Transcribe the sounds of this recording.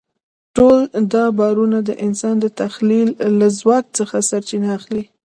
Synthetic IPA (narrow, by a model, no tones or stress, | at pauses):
ʈold̪ɑbɑɾunad̪əʔɪnsɑnd̪ət̪axlilːazwɑk̚t͡səxasaɾt͡ʃinaːxli